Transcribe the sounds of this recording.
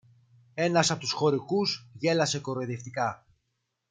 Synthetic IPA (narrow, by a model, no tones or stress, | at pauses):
e̞nɐsɐpo̞t̪usxo̞ɾikuzʝe̞lɐse̞ko̞ɾoeðeft̪ikɐ